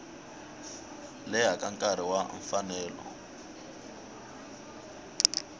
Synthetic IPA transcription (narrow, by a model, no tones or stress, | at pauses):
lɛɦakʼaŋkʼaɾ̤iwaɱfanɛːlɔ̰